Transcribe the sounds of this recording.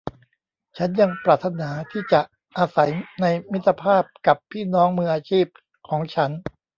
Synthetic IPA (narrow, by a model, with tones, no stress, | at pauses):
t͡ɕʰa˦˥nja˧ŋpɾaː˨˩t̪ʰːa˧naː˩˦t̪ʰiː˥˩t͡ɕa˨˩ʔ | ʔaː˧sa˩˦jna˧jmi˦˥t̪ʰːa˧pʰaː˥˩p̚ka˨˩pʰːiː˥˩nɔː˦˥ŋmɯː˧ʔaː˧t͡ɕʰiː˥˩p̚ | kʰɔː˩˦ŋt͡ɕʰa˦˥n